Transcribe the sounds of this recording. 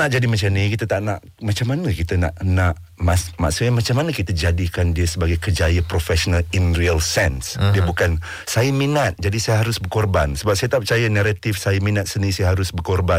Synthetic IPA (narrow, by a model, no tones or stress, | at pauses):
aʔd͡ʒadimat͡ʃanĩkit̪ət̪aʔnaʔ | mat͡ʃamːanəkit̪əna̰ʔnaʔ | masma̰suamat͡ʃamanəkit̪əd͡ʒadikandiəsəbaɡajkəd͡ʒajəpɾofɛsonalinriəlsɛnsdiəbukan | sajəminat̪̚d͡ʒadisajəɦaɾʊsbərkɔrbansəbap̚sajət̪apət͡ʃajənaɾat̪ifsajəminat̪̚sənĩsajəɦaɾʊsbərkɔrba